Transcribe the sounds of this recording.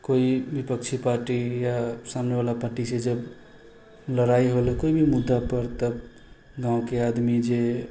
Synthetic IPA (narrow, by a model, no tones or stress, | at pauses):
koibipəkt͡ʃʰipaɾʈijasamnebalapaɾʈised͡ʒəb | ləɾaiɦolekoibʱimud̪ːapəɾt̪əb | ɡãõkead̪mid͡ʒe